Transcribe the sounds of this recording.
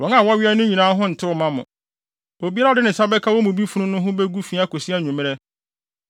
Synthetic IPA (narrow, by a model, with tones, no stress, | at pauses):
wɔ̃˨ŋa˦˨wɔ˦ɥi˦a˦nʊ̃˦ɲĩ˨nãː˦ɦʊ̃˦n̩˨tʰɪ˦ʊ˨mã˦mʊ̰̃˨ | o˨bi˦a˦ɾa˦dɪ˦nɪ̃˨sa˦bɛ˦kʰa˦wɔ˦mʊ̃˨bi˦fu˦nʊ̃˦nʊ̃˦ɦʊ̃˦bɛ˦ɡu˦fi˦a˦ko˨si˦a˦˨ɲũ˨mɪ̃˦ɾɛ˦